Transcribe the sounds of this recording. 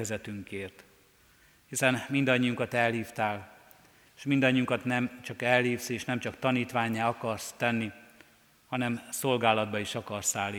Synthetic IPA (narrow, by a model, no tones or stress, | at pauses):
ɛzɛt̪yŋkeːrt̪ | hisɛnmind̪ɒɲːiuŋkɒt̪ɛlhiːft̪aːl | ʃmind̪ɒɲːiuŋkɒt̪nɛmt͡ʃɒkɛlhiːfseːʃnɛmt͡ʃɒkt̪ɒniːt̪ʋaːɲːaːɒkɒrst̪ɛnːi | hɒnɛmso̞lɡaːlɒd̪̚bɒiʃɒkɒrsaːlːi